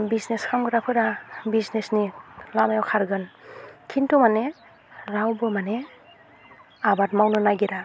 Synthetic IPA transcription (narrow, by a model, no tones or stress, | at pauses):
bizneskʰamɡɯɾapʰɯɾabiznesnilamajawkʰaɾɡɯnkʰintumane | ɾawbɯmanɛ | abat̚mawnɯnaɡiɾa